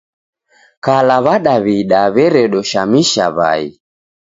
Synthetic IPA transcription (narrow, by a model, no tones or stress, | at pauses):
kalaβaɗaβiɗaβɛɾɛɗɔʃamiʃa̰βa̰ḭ